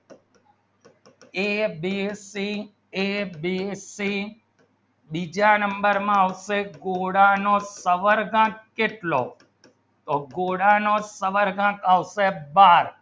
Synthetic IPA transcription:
eːbiːsiː | eːbiːsiː | ɓiːd͡ʒaːnəmbəɾmãːəʋseːɡoːɽãːnoːsəʋəɾɡãːkːeːʈloː | t̪oːɡoːɽãːnoːsəʋəɾɡãːkaʋseːbaːɾ

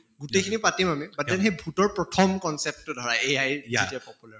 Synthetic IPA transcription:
ɡutekʰinipatimamibatianxejbʱutɔɹpɹɔtʰɔmkɔnsɛp̚tːʊdʱɔɹaejajzetiapɔpulaɹ

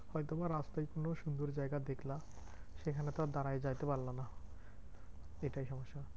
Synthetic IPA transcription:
hɔjt̪obaɾːast̪ajkonoʃund̪oɾd͡ʑaeɡad̪ekʰla | ʃekʰanet̪ad̪aɾajd͡ʑajt̪epaɾlana | eʈajʃɔmoʃːa

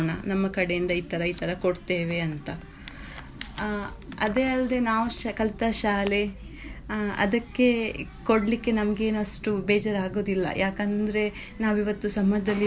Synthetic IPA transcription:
ɳɐ̰nɐmːɐkɐɽejind̪ɐiːt̪ɐɾɐiːt̪ʰɐɾɐkoɽt̪eːʋe̞ɐnt̪ɐ | ɐd̪eːɐlɐd̪e̞naːʋukɐlt̪ɐʃaːle̞ | ɐ̰d̪ɐkːe̞koɽlikːe̞nɐmɐɡe̞ːnɐsʈubeːd͡ʒɐɾaːɡo̞ːd̪ilːɐ̰jʔaːkɐnd̪ɐɾe̞ | naːʋiʋɐt̪ːusɐmɐjd̪ɐlːi

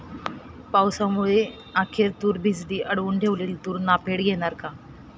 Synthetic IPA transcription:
pawsamuɭe | ãkʰeɾt̪uːɾbʱid͡zd̪iːʔəɽʋuːɳʈʰeʋliːlt̪uːɾnapeɽɡʱeɽ̃aɾka

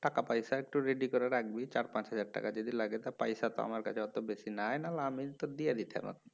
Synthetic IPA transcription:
ʈakapajsaek̚ʈuɾeɖikɔɾaɾaɡ̚bit͡ɕaɾpãt͡ɕɦad͡ʑaɾ̚ʈa̰kad͡ʒod̪ilaɡet̪apa̰jsat̪ɔ̰a̰maɾkat͡ʃʰeɔt̪obesinaenalaamit̪od̪ijad̪it̪ʰea̰ma̰t̪

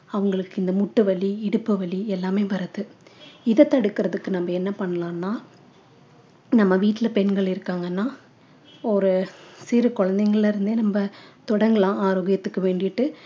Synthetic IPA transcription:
ɐʋɐŋɡɐɭɯkːɪnd̪ɐmʊʈːɯʋɐɭiɪɽɯpːɯʋɐɭiɛlːaːmeːʋɐɾɐðɯɪðɐt̪ːɐɽɯkːɪɾɐðɯkːɯnɐmːɐɛnːɐpɐɳːɐlãːnːaː | nɐmːɐʋiːʈːɪlɐpɛɳɡɐɭɪɾɯkːaːŋɡɐnːaː | ɔɾɯsiɾɯkɔɻɐnd̪ɐŋɡɐɭlɪɾɯnd̪enɐmbɐt̪ɔɽɐŋɡɐlãːaːɾoːɣɪjɐt̪ːɯkːɯʋeːɳɖɪʈːɯ

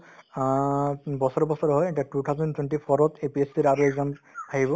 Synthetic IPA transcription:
bɔsɔɹbɔsɔɹɔɦɔjɛʈaʈut̪ʰaʊzɔntweɳʈipʰɔɹɔtepiesiɾaɾuɛɡzɔmaɦibɔ

